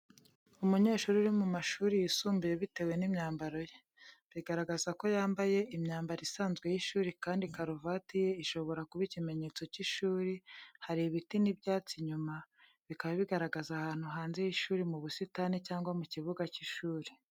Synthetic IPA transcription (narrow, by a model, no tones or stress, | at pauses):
umuɲe̞ːʃuːɾuɾimumaʃuːɾijisuːmbijeβite̞we̞nimɲaːmbaɾo̞je | βiɡaɾaɡazako̞jaːmbaje̞imɲaːmbaɾisaːnzɡwe̞jiʃuːɾikaːndikaɾovatije̞iʃo̞βo̞ɾakuβicime̞ɲe̞t͡so̞ciʃuːɾihaɾiβitinibɟaːt͡siɲuma | βikaβaβiɡaɾaɡazahaːn̥huɦaːnze̞jiʃuːɾimuβusitanicaːŋɡwamuciβuɡaciʃuːɾi